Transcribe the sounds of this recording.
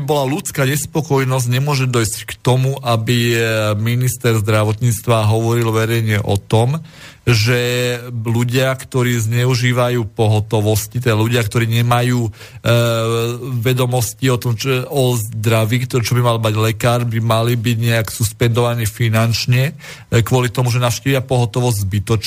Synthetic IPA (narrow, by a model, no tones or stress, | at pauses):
ibɔlalut͡skaɲɛspɔkɔjnɔzɟɲɛmʊɔʒɛd̪ɔjsckt̪ɔmuʔabiminist̪ɛɾzd̪ɾaʋɔt̪ɲiːt͡st̪ʋaɦɔʋɔɾilʋɛɾɛjɲɪɛʔɔt̪ɔm | ʒɛluɟɪakt̪ɔɾiːzɲɛuʒiːʋajuːpɔɦɔt̪ɔʋɔscit̪ɛd̪aluɟɪak̚t̪ɔɾiːɲɛmajuː | ʋɛd̪ɔmɔsciɔt̪ɔmɔzd̪ɾaʋiːkt̪t͡ʃɔbimalmaɟlɛkaːɾbimalibiɟɲɛaksuspɛnd̪ɔʋaniːfinant͡ʃɲɛ | kʊɔlit̪ɔmuʒɛnaʊʃciːʋɪapɔɦɔt̪ɔʋɔzɟʲzbit̪ɔt͡ʃ